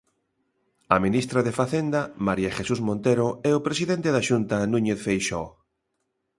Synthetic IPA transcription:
ɐmĩnist̪ɾaðefaθend̪ɐmaɾjaʃesuzmõnt̪eɾoɛʊpɾesiðent̪eðaʃunt̪ɐnũɲeθfejʃɔ

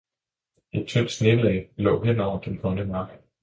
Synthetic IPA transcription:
e̝d̥̚t͡sʰøn̰̥sneb̥l̩ˠɛɪlɔ̰̽ːɦen̰ɒʊ̰ɐd̥enhɔ̽nəmɑ̈ɡ̥

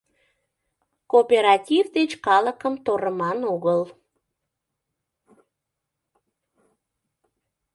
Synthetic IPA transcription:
kopeɾɑtʲivd̪et͡ɕkɑləkəmt̪oɾəmɑnoɣəl

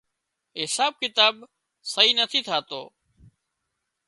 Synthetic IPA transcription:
ɪsaːb̚kɪt̪aːb | səɦiːnət̪ʰiːt̪ʰaːt̪oː

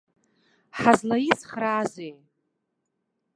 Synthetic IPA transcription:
ħazlajit͡sʰχraːzej

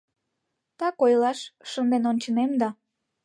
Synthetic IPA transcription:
t̪ɑkojlɑʃʃənd̪enonʲt͡ɕənemd̪ɑ

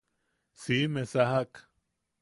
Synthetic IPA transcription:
simesaɦak

